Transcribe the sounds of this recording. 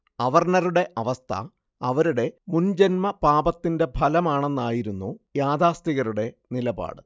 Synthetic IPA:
ɐʋɐrnɐɾuɽe̞ʔɐʋɐst̪ʰɐ̰ː | ʋɐɾuɽe̞mund͡ʑenmɐpaːbɐt̪ːinde̞bʱɐlɐmaːɳe̞nːaːjiɾunːujaːd̪ʱaːst̪iɣɐɾuɽe̞nilɐba̰ːɽɨ

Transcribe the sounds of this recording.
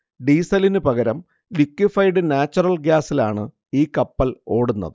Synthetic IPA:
ɖiːsɐlinɨpɐɣɐɾɐm | likːwifɐjɖɨnaːt͡ɕːurɐlɡjaːsilaːɳɨ | iːkɐpːɐlo̞ːɽunːɐ̰ðɨ

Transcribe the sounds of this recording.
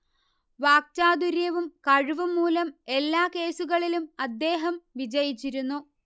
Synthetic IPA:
ʋaːk̚taːd̪uɾjɐʋumkɐɻuʋɐmːuːlɐme̞lːaːke̞ːsuɣɐɭilumɐd̪ːe̞ːɦɐmʋid͡ʑɐjit͡ɕːiɾunːu

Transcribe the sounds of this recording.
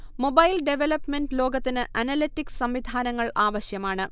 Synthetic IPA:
mo̞bɐjlɖe̞ʋelɐpːme̞nɖlo̞ːɡɐt̪ːinɨʔɐnɐlitːiksɐmʋid̪ʱaːnɐŋːɐɭʔaːʋɐɕjɐmaːɳɨ

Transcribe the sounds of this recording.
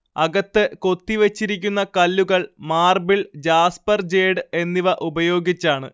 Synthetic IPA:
ɐɣɐt̪ːɨko̞t̪ːiʋet͡ɕːiɾik̬ʲːunːɐkɐlːuɣɐɭmaːrbiɭd͡ʑaːspɐrd͡ʑe̞ːɖɨe̞nːiʋɐʔubɐjo̞ːɡit͡ɕːaːɳɨ

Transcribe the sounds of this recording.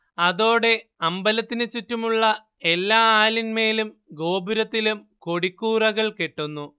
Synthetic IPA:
ɐðo̞ːɽe̞ɐmbɐlɐt̪ːinɨt͡ɕutːumuɭːɐ | e̞lːaːaːlinme̞ːlumɡo̞ːbuɾɐt̪ːilum | ko̞ɽikːuːrɐɣɐɭke̞ʈːunːu

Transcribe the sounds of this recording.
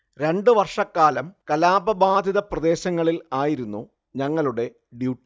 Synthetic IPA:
ɾe̞ɳɖɨʋɐrʂɐkːaːlɐmkɐlaːbɐbaːd̪ʱiðɐprɐd̪e̞ːɕɐŋːɐɭilaːjiɾunːu | ɲɐŋːɐɭuɽe̞ | ɖjuːʈː

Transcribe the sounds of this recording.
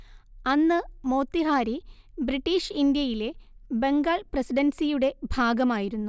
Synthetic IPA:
ɐnːɨmo̞ːt̪ːiɦaːɾi | briʈːiːʂind̪jɐjile̞be̞ŋɡaːɭprɐsiɖɐnsijuɽe̞bʱaːɡɐmaːjiɾunːu

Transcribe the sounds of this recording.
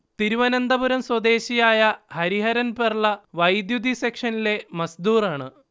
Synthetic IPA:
t̪iɾuʋɐnɐnd̪ɐbuɾɐmswɐd̪e̞ːɕijaːjɐhɐɾiɦɐɾɐnperɭɐʋɐjd̪jud̪ʱisekʂɐnile̞mɐsd̪uːraːɳɨ

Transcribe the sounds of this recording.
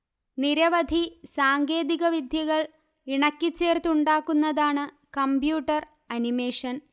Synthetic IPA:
niɾɐʋɐd̪ʱisaːŋɡe̞ːðiɣɐʋid̪ʱjɐɣɐɭ | iɳɐkʲːit͡ɕːe̞ːrt̪uɳɖaːkːunːɐðaːɳɨ | kɐmbjuːʈːɐr | ɐnime̞ːʂɐn

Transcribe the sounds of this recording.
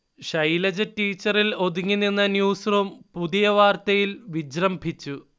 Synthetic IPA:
ɕɐjlɐd͡ʑɐtːiːt͡ɕːɐrilo̞d̪uŋːinːinːɐnjuːsrumpuðijɐʋaːrt̪ɐjilʋid͡ʑrɐmbʱit͡ɕːu

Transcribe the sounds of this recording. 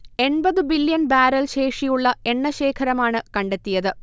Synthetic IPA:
e̞ɳbɐðɨbiljɐnbaːɾɐlɕe̞ːʂijuɭːɐe̞ɳːɐɕe̞ːkʰɐɾɐmaːɳɨkɐɳɖe̞t̪ːijɐðɨ

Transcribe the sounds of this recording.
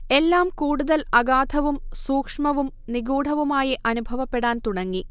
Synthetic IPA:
e̞lːaːmkuːɽuðɐlɐɡaːd̪ʰʱɐʋumsuːkʂmɐʋum | niɡuːɽ̤ʱɐʋumaːjiʔɐnubʱɐʋɐpːeɽaːnt̪uɽɐŋːi

